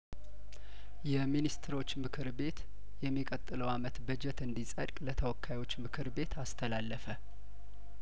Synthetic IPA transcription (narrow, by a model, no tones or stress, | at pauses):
jɛminist̪ʰɨɾo̞t͡ʃːmɨkʰɨɾbe̞t̪ | jɛmːikʼət̪ʼːɨləwamət̪bɨd͡ʒɛt̪ɨnd̪isʼə̰ɾkʼlət̪ʰəwɔkʰːajwo̞t͡ʃːmɨkʰɨɾbe̞t̪ʰast̪ʰəlalːəfə